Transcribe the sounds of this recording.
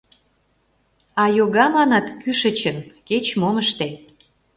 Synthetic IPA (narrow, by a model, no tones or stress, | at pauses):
ɑjoɣɑmɑnɑt̪kyʃə̆t͡ɕənket͡ɕmoməʃt̪e